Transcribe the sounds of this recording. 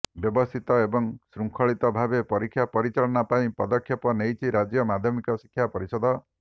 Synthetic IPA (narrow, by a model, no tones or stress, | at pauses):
bjɔbɔst̪ʰit̪ɔebɔŋsɾuŋkʰɔɭit̪ɔbʱabepɔɾikʰːjapɔɾit͡ʃaɭɔnapaĩpɔd̪ɔkʰːjɔpɔnejt͡ʃʰiɾad͡ʒjɔmad̪ʱjɔmikɔsi̥kʰːjapɔɾisɔd̪ɔ